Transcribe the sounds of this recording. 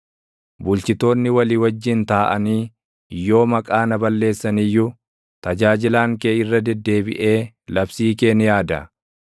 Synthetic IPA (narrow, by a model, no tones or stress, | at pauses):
bʊlt͡ʃɪt̪o̞ːnːɪwɐliːwɐd͡ʒːɪnt̪aːʔɐniː | jːo̞ːmɐkʼaːnɐbɐlːe̞ːsːɐnɪjːʊ | t̪ɐd͡ʒaːd͡ʒɪlaːŋkeːɪrːɐd̪ɛd̪ːe̞ːbɪ̰ʔe̞ː | lɐbsiːke̞ːnɪjaːd̪ɐ̰